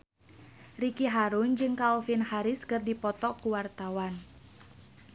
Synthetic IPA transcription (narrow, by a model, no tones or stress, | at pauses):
rikiɦaɾʊnd͡ʒɨŋkaulfinhaɾɪskɨrdipɔt̪ɔkuwart̪awan